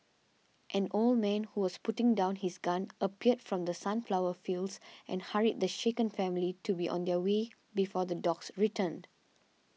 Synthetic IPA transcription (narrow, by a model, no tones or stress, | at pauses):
ʔɛ̃nʔold̚mɛ̃nhuwɔsputɪ̃ŋdãʊ̃nhisɡãnʔəpiədfɹɔ̃md̪əsãnflaʊəfildsʔɛ̰̃nhaɹid̚d̪əʃekə̃nfɛ̃militubiʔɔ̰̃nd̪ɛwe | bifɔd̪ədɔɡsɹitʰə̃nd